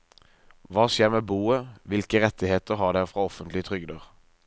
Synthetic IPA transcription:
ʋɑːsjeːʁmeːbuːəʋɪlkəʁɛt̪ɪheːt̪əʁɦɑːʁd̪ɛʁfʁɑːɔfənt̪lɪət̪ʰʁʏɡd̪əʁ

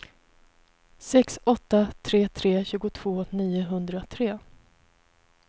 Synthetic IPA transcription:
sɛksɔt̪ːat̪ʰɾeːt̪ʰɾeːɕʉ̟ːɡʊt̪ʰv̥oːniːʊɦɵnd̪ɾat̪ʰɾeː

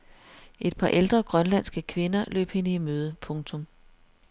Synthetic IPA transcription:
ʔe̝d̥̚pʰɑ̈ʔeld̥ʁɐɡ̥ʁɶnlæn̰sɡ̥əkʰʋe̝nɐlø̰ːb̥he̝nəimøːð̞ˠəpʰɔ̽ŋt͡sʰɔ̽m

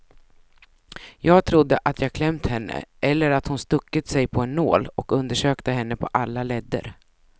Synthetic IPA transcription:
jɑːɡ̚t̪ʰɾʊd̪ːəʔat̪ʰjɑːɡkʰlɛmt̪hɛnːə̰ʔɛlːəɾat̪hʊnst̪ɵkːət̪sɛjpʰɔɛnːo̰ːlɔkɵnd̪əʂøːkt̪əɦɛnːəpʰɔʔalːalɛd̪ːə̰ɾ

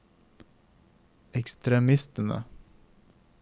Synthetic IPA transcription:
ɛkst̪ɾɛmɪst̪ənə̰

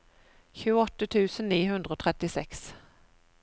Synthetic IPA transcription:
çʉːɔt̪ːət̪ʰʉ̟ːsənniːɦɵnd̪ɾəoːt̪ʰɾɛt̪ːɪsɛks

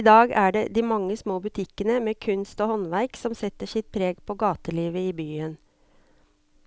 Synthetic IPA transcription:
ɪd̪ɑːɡæːɖed̪iːmɑŋːəsmoːbʉt̪ʰɪkːənəmeːkʰʉnst̪ɔːhɔnʋæɪksɔmsɛt̪ːəʂɪt̪̚pʰɾeːɡpʰɔɡɑːt̪əliːʋəiːbyːən

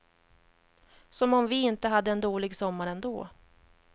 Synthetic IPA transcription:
sɔmɔmvɪɪnt̪əɦad̪ːəɛnd̪oːlɪɡsɔmːaɾɛnd̪o̰ː

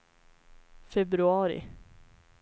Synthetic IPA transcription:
fɛbɾʉɑːɾɪ̰

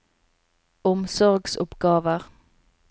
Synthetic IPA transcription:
ɔmsɔʁɡsʊ̰pɡ̥ɑːʋəʁ

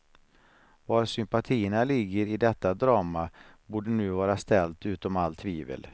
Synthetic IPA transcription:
vaɾsʏmpat̪ʰiːəɳalɪɡːəɾɪd̪ɛt̪ːad̪ɾɑːmabuːɖənʉ̟ːvɑːɾast̪ɛlt̪ʉ̟ːt̪ɔmalt̪ʰviːvə̰l

